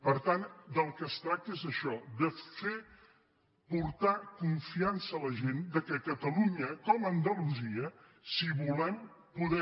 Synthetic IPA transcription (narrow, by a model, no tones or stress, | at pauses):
pəɾt̪and̪əlˠkəst̪ɾak̚t̪əezəʃɔd̪əfe | puɾt̪akuɱfiansəːləʒend̪əkəkət̪əluɲəkɔmənd̪əluziə | siβulɛm | puðɛ